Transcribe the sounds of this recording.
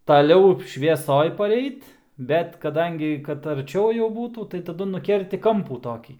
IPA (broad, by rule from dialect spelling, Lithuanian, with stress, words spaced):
tɐˈlʲɛʊ ʃʲʋʲiɛˈsoːj pɐˈrʲɛɪt ˈbʲɛt kɐˈdɐŋʲɡʲɪ kɐt ɐrʲˈt͡ʃʲɛʊ jɛʊ ˈbuːtuː tɐɪ tɐˈdʊ nʊˈkʲɛrʲtʲɪ ˈkɐmpuː ˈtoːkʲiː